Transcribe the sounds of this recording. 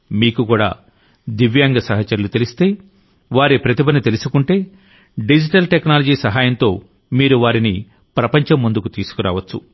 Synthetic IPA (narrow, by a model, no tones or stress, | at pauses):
miːkukuːɽa̰ː | d̪iʋjaːŋɡɐsɐɦɐt͡ʃːɐɾulut̪e̞list̪e̞ː | ʋaːɾipɾɐt̪ibɐnit̪elusukuɳʈe̞ː | ɖid͡ʒiʈɐlʈeknaːlɐd͡ʒiːsɐɦaːjɐnt̪o̞ː | miːɾuʋaːɾini | pɾɐpɐɲt͡ʃɐmːund̪ukut̪iːsu̥kuɾa̰ːʋɐt͡ʃːṵ